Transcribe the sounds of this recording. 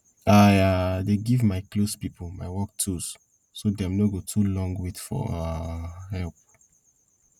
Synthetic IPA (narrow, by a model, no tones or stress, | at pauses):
ajadeɡivmaɪklospipʰəl̩maɪwɔk̚tʰus | sodɛ̃mnɔɡotʰulɔ̃ŋɡwitfɔ̰ | hɛlp̚